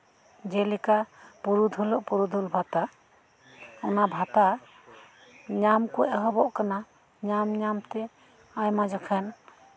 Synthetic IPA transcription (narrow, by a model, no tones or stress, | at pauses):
d͡ʒɛlikapuɾud̪ʱulɔʔpuɾud̪ʱulbʱat̪a | ɔnabʱat̪a | ɲamkɔʔɛɦɔbɔʔkana | ɲamɲamt̪ɛ | ajmad͡ʒɔkʰɛn